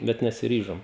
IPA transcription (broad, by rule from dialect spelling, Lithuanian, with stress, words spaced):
ˈbʲɛt nʲɛsʲɪˈrʲiːʒoːm